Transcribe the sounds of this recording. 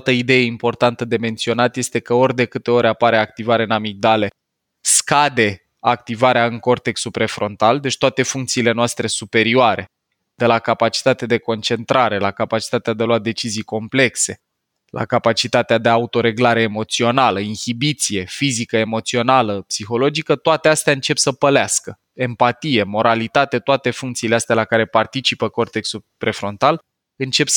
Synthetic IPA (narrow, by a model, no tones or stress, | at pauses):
t̪əid̪e̞jeimpo̞rt̪ant̪əd̪e̞me̞nt̪sio̞nat̪je̞st̪e̞kəo̞rʲd̪e̞kɨt̪e̞o̞ɾʲapaɾe̞ak̚t̪ivaɾe̞namik̚d̪ale̞ | skad̪e̞ | ak̚t̪ivaɾeaɨŋko̞rt̪eksupɾe̞fɾo̞nt̪ald̪e̞t͡ʃt̪oat̪e̞fuŋk̚t̪siːle̞noast̪ɾe̞supe̞ɾioaɾe̞̰ | d̪̥e̞lakapat͡ʃi̥t̪at̪ead̪e̞ko̞nt͡ʃe̞nt̪ɾaɾe̞lakapat͡ʃi̥t̪at̪ead̪eaload̪e̞t͡ʃizijko̞mple̞kse̞ | lʔa̰kapat͡ʃit̪at̪ead̪e̞aut̪o̞ɾe̞ɡlaɾe̞ːmo̞t̪sio̞naləinhibit̪sije̞fizikəe̞mo̞t̪sio̞naləpsixo̞lo̞d͡ʒikət̪oat̪e̞ast̪eaɨnt͡ʃe̞psəpəleaskə | e̞mpat̪ije̞mo̞ɾʔalit̪at̪e̞t̪oat̪e̞fuŋkt̪siːle̞ast̪ealakaɾe̞part̪it͡ʃipəko̞rt̪eksupɾe̞fɾo̞nt̪al | ɨnt͡ʃe̞ps